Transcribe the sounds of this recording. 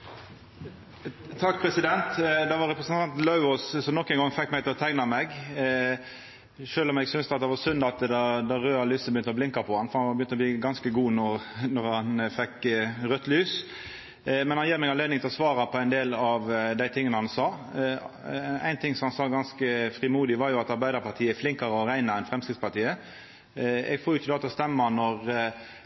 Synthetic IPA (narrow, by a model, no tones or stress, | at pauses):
t̪ʰɑkːpʰɾɛsɪd̪ɛnt̪d̪ɑʋɑɾɛpɾʁəsənt̪ʰɑnt̪lɑʉɔssɔmnɔkːɛɪnŋɡɔŋfɛkːmæɪt̪ʰɪlɔt̪ʰæɪnɑmɛɡ | ʃøːlɔmɛɡsʏnst̪əɑt̪d̪ɛʋɑsʏnd̪ɑt̪d̪ɑd̪ɑʁøːɑlyːsəbəjʏnt̪əɔblɪŋkɑpʰɔhɑnfɔɾhɑnbəjʏnt̪əɔbliːɡɑnskəɡuːnɔɾnɔɾhɑnfɛkːʁœt̪ːlyːs | mɛnhɑnjiːɾmɛɡɑnleːd̪ɪŋt̪ɪlɔsʋɑːɾɑpʰɔæɪnd̪eːlɑʋd̪æɪt̪ʰɪŋːənəhɑnsɑː | æ̰ɪnt̪ʰɪŋsɔmhɑnsɑːɡɑnskəfɾɪmuːd̪ɪʋɑɾjʊɑt̪ɑɾbæɪd̪əɾpɑɾt̪ʰiːəflɪŋkɑɾəɔɾæɪnəɛnfʁɛmskʁɪt̪spɑʁt̪ʰiːə | ɛ̰ɡfoːɾjʊçəd̪ɑːt̪ɑst̪ɛmːənɔʁ